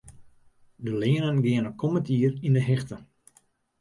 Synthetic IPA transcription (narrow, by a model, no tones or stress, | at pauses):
dəlɪənənɡɪənəkʰoməntiərindəɦɪxtə